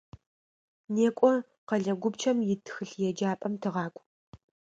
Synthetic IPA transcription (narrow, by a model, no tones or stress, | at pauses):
neːkʷʼɔ | qɐɮɐɡʷʊbt͡ʃʰɐmjɪtʰxɨɬjɛd͡ʒaːpʼɐmtʰɨʁɑːkʷʼ